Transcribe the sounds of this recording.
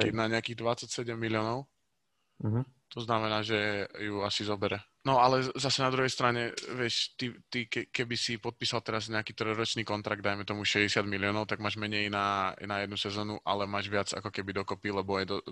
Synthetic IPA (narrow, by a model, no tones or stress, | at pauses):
naɲɛakiːɣd̪ʋat͡sacsɛɟɛmːilɪɔːnɔʊ | t̪ɔznamɛnaːʒɛjuasizɔbɛɾɛ | nɔalɛzasɛnad̪ɾuɦɛjst̪ɾaɲɛʋɪɛʃt̪it̪ikɛkɛbisipɔt̪̚piːsalt̪ɛɾazɲɛakiːt̪ɾɔjɾɔt͡ʃniːkɔnt̪ɾaɡ̚d̪ajmɛt̪ɔmuʃɛɟɛsɪad̪miliɔnɔʊt̪aɡmaːʒmɛɲɛjnanajɛd̪nusɛzɔːnuʔa̰lɛmaːʒʋɪad͡za̰kɔkɛbid̪ɔkɔpilɛbɔjɛd̪ɔ